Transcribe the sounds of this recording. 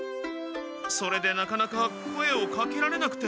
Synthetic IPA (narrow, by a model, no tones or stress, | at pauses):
so̞ɾe̞d̪e̞nakanakakʰoeokakʲeɾaɾe̞nakɯ̟̥t̪e